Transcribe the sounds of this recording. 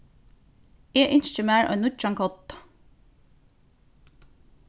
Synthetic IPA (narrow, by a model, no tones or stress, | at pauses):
eːʔʏnʃt͡ʃəmæːɹʔo̰nʊtt͡ʃɑŋkʰɔt̪